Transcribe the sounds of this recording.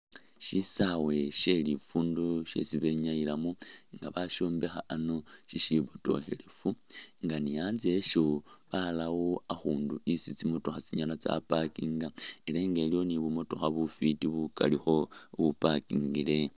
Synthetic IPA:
ʃisawe̞ʃe̞lifuːndoʃe̞̰siβe̞ɲailamuŋɡaβaʃo̞ːmbe̞xaʔːno̞ʃiʃiβuto̞̰xe̞̰le̞fuŋɡanijaːnze̞ʃo̞βalawoaxuːnduisit͡simoto̞xat͡siɲanat͡sa̰pakiŋɡaile̞ːŋɡe̞ːlijo̞niβumo̞to̞xaβufitiβuka̰lixo̞βupakiŋɡile̞

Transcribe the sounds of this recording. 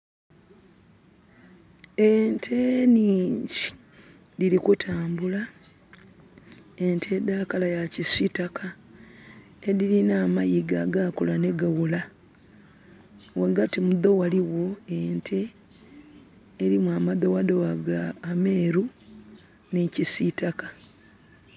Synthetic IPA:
entʰe̞niːɲɟi | dilikutʰaːmbula | entʰe̞daːkalajacisitaka | eðilinaːmajiɡaɡakulane̞ɡawula | waɡatimuðo̞waliwo̞entʰe̞ | ɾimwaːmaðo̞wadowaɡaːme̞ːɾu | nicisitakḁ

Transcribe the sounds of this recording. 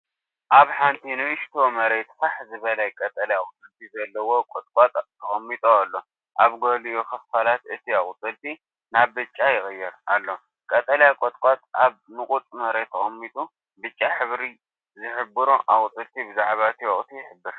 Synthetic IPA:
ʔaβħant̪ʰinɨɨʃt̪ʰo̞mɐɾet̪faħzɨβɐlɐkʼɐt̪ʼɐliakʼʊt͡s̪ʼɨlt̪ʰizɐlːɐwo̞kʼot̪ʼkʼat̪ʼʰː | ɐχʼɐmːit̪ʼoalːo̞ | ʔaβɡoliokʰɐffalat̪ɨt̪ʰiaχʼʊt̪ʼɨlt̪ʰi | naβbɨt͡ʃʼːajɪxʼɨjːɛɾalːo̞ | kʼɐt̪ʼɐljakʷʼot̪ʼkʼat̪ʼaβnɨkʼut̪ʼmɐɾet̪ʰːɐxʼɐmːit̪ʼu | bɨt͡ʃʼːaħɨβɾi | zɨħɨbɨɾoʔa̰kʼt͡s̪ʼɨlt̪ʰibɨzaʕβat̪ʰioχʼt̪ʰijɪħɨbːɨɾ

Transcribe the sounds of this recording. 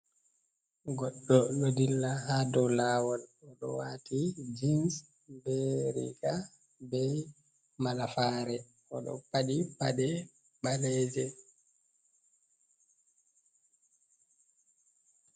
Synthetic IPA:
ɡɔɗːɔlodilːahadɔlaːwɔlɔɗɔ̰waːtʰid͡ʒins | bɛɾḭɡa | bɛ | malafaːɾɛ | ɔɗɔ̰paɗipaɗɛ | ɓalɛːd͡ʒɛ

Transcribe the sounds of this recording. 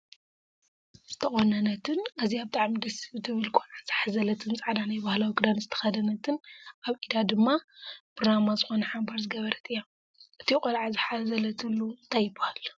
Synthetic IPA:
z̥ɨ̥t̪ʰɐχʼonɐnɐt̪ʰɨnaziaβt̪ʼaʕmid̪ɐsiβt̪ʰɨβɨlkʼolʕaz̥ɨħazɐlɐt̪ʰɨnt͡sʼaʕd̪anajbahlawiɡɨd̪anzɨt̪ʰɐ̥xɐd̪ɐnɐt̪ʰɨnaβʔid̪ad̪ɨmːapɾonamazɨxo̞nɐħambaɾzɨɡɐβɐɾɐt̪ʼɨjːa | ʔɨt̪ʰikʼolʕazɨħazɐlɐt̪ʰɨlːuɨnt̪ʰajːɪbːahal

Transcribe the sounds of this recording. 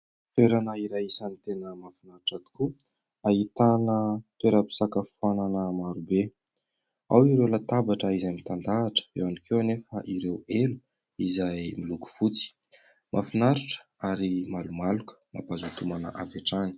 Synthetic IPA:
t̪weɾanaiɾajisanit̪enəmafinaɾʈ͡ʂat̪u̥ku | aɦit̪anət̪weɾəpi̥sakəfuananəmaɾube | awiɾewlat̪abaʈ͡ʂəizamit̪and̪aːʈ͡ʂə̥ḛwanikʰewanefəʔiɾewelu | izajmiluku̥fut͡si̥ | mʔafinaɾuʈ͡ʂə̥ | aɾimalumalukə̥mapazut̪umanə̰ʔaveʈ͡ʂani̥

